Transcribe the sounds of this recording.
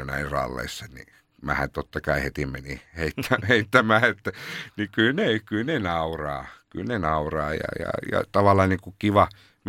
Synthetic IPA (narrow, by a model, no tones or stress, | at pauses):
næirrɑ̰lːḛisːɑnḭ | mæ̰hæ̰nt̪ot̪ːɑkɑihet̪imeniheit̪ːæheit̪ːæmæːet̪ːænikylnekylnenɑurɑːky̰lnenɑurɑːjɑ̰jɑ̰jɑ̰t̪ɑʋɑlːˑɑːniŋkukiʋɑ | m